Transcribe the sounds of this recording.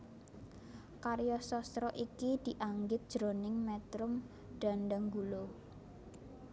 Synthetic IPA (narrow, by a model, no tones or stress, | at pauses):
kaɾjɔsɔst̪ɾɔʔikid̪̥iʔaŋɡɪt̪̚d̥ʒ̥ɾonɪŋmɛt̪ɾʊm | ɖ̥a̤nɖaŋɡulo